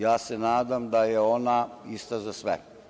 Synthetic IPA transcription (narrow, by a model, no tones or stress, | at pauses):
jaːsɛnaːd̪amd̪ajɛoːnaist̪azasʋɛ̰